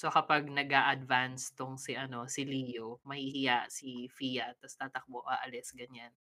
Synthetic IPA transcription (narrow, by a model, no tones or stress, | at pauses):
so̞kɐpaɡ̚nɐɡaːʔɐd̪vanst̪oŋsɪʔɐno̞sɪliːjomɐhihɪjaʔsifijat̪ɐst̪aːt̪ɐk̚boʔaʔɐlɛsɡɐɲan